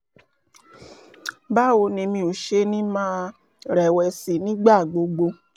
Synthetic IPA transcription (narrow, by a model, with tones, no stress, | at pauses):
ba˦o˧nĩ˧mĩ˧o˨ʃe˧˦nĩ˦mã˦ | ɾɛ˨wɛ˨si˨nĩ˦ɡ͡ba˦˨ɡ͡bo˨˧ɡ͡bo˧